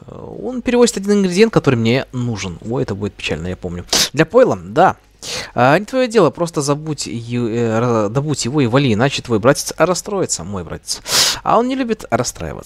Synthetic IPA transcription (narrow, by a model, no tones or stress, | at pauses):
o̞̰npʲɪɾʲɪvo̞zʲɪt̪ɐdʲinɪnɡɾʲɪdʲɪjet̪̚kɐt̪o̞ɾɨmnʲe̞nuʐɨnoɛt̪əbudʲɪt̪̚pʲɪ̥t͡ɕa̰lʲnəjapo̞mnʲʊd̪lʲɐpoɪlˠəd̪a | anʲɪt̪vɐjodʲe̞lˠəpɾo̞st̪əzɐbutʲj | zɐbutʲjɪvo̞ɪvɐlʲiɪnat͡ɕɪt̪vo̞jbɾatʲɪt̪sɾɐst̪ɾo̞jɪt̪səmo̞jbɾa̰tʲɪ̥t̪sɐ̰o̞nnʲɪlʲubʲɪt̪rɐst̪ɾa̰jɪ̰və̰sə̥